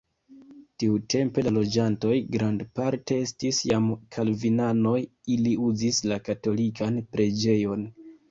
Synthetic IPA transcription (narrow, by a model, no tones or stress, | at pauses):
tiutʰe̞mpe̞lalo̞d͡ʒanto̞jɡɾandpaɾte̞estisjamkʰalvinano̞j | iliuzislakato̞likanpɾʔe̞d͡ʒe̞jo̞n